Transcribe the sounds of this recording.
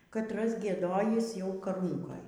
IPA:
kɐtˈrɐs ɡʲiɛˈdoːjiːs jɛʊ kɐˈruːŋkoːj

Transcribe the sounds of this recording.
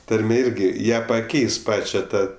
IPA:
ˈtɐrʲmʲeː ˈɪrʲɡʲɪ ˈjæː pɐˈkʲɛɪs ˈpɑːt͡ʃʲɛ ˈtɑː

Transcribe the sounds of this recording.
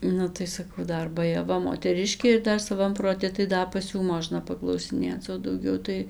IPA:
ˈnʊ tɐɪ sɐˈkɐʊ ˈdɐr bɐjɛˈʋɐ moːtʲɛˈrʲɪʃʲkʲeː ɪr ˈdɐr sɐˈʋɐm proːˈtʲɪ tɐɪ ˈdɐ pɐs ˈjuː ˈmoːʒnɐ pɐklˠɐʊsʲɪˈnʲeːt͡s oː dɐʊˈɡʲɛʊ tɐɪ

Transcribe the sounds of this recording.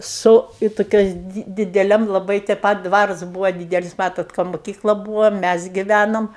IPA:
sʊ ɪ toːˈkʲoːs ˈdʲɪ dʲɪdʲɛˈlʲɛm lˠɐˈbɐɪ tʲɛ ˈpɐt ˈdʋɑːrʊs ˈbuːʋɐ ˈdʲiːdʲɛlʲɪs ˈmɑːtoːt ˈkɐ mʊˈkʲiːklˠɐ ˈbuːʋoː ˈmʲæs ɡʲɪˈʋʲænoːm

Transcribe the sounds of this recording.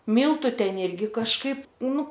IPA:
ˈmʲiːlˠtʊ ˈtʲɛn ˈɪrʲɡʲɪ kɐʃˈkɐɪp ˈnʊ

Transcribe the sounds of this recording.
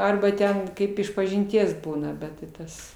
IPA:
ˈɐrbɐ ˈtʲɛn ˈkɐɪp ɪʃpɐʒʲɪnʲˈtʲiɛs ˈbuːnɐ ˈbʲɛt tʲɪ ˈtɐs

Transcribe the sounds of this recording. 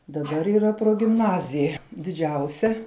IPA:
dɐˈbɐr iːˈrɐ proːɡʲɪmˈnɑːzʲɪjɛ dʲɪˈd͡ʒʲɛʊsʲɛ

